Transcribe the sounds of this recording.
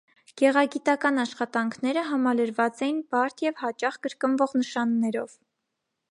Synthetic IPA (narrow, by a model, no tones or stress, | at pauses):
ɡ̥ɛʁɑɡit̪ɑkɑnɑʃχɑt̪ɑŋkʰnɛɾəɦɑmɑləɾvɑt͡sɛjinbɑɾt̪ʰjɛvhɑt͡ʃɑχkəɾkənvɔʁnəʃɑnːɛɾɔv̥